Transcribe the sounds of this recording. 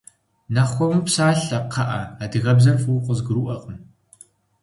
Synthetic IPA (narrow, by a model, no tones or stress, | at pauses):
nɐχʷɔmɨpsaːɬɐp̚qʰɑʔɐadɨɣɐbzɐrfuqʼəzɡɨɾuʔɐqʼəm